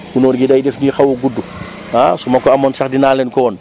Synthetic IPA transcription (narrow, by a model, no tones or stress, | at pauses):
ɡunɔːɾɡidajdɛfnixawuɡudːu | asumɐkɔamɔnsaxdinaːlɛnkɔːn